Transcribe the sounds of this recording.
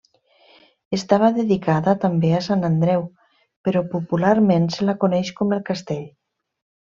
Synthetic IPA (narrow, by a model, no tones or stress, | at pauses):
est̪aβ̞aðeðikaðat̪ambeasanand̪ɾɛw | peɾɔpupulaɾmenselakonɛʃkomelˠkast̪eʎ